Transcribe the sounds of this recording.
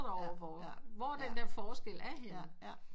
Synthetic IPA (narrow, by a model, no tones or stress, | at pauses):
dɒʊ̰ɐʋɒʋɒæɐd̥end̥æɐfɒːsɡ̥el̰æɐɦe̝n